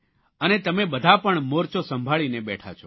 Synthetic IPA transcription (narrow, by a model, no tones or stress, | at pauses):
ənet̪əmebəd̪ʱapəɳmoɾt͡ʃosəmbʱaɭinebɛʈʰa̰t͡ʃʰo